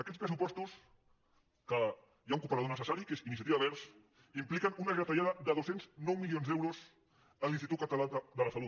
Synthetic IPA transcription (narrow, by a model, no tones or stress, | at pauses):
əkɛt̪spɾəsupɔst̪us | kə | jauŋkupəɾɐðonəsəsaɾikezinisjət̪iβaβɛɾs | implikənunəzət̪aʎaðəðəðosenznɔwmiljonzðɛwɾuz | ənlinst̪it̪ut̪̚kət̪alad̪ələsəlu